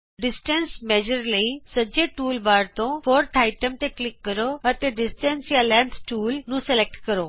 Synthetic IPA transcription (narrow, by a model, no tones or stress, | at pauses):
ɖɪsʈənsmɛːd͡ʒəɾləisəd͡ʒeʈuːlbaːɾt̪õːfʰoːɾt̪ʰaːɪʈəmt̪eklɪkːəɾoɐt̪eɖɪsʈə̃nsjãlɛ̃nt̪ʰʈuːlnũːsɛlɛk̚ʈkəɾoː